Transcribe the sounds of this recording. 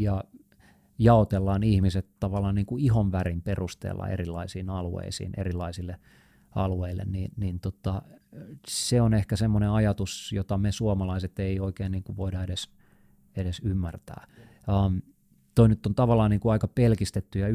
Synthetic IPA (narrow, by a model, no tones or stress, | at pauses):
jɑ | jɑot̪elːɑːnihmiset̪t̪ɑʋɑlːˑɑːnniːŋkuiɦonʋærimperust̪ḛːlːɑ̰ḛrilːɑ̰isiːnɑluḛisḭːnʔḛrilːˑɑisilːe | ɑ̰lueilːḛnniːnniːnt̪ot̪ɑ | seonehkæsemːoneɑjɑt̪usjot̪ɑmesuomɑlɑiset̪eioikeːniːŋkuʋʋoidɑedes | eɾesymːært̪æ̰ː | ɑm | t̪oinyt̪ːont̪ɑʋɑlːˑɑːniːŋkuɑikɑpelkist̪et̪ːyjɑ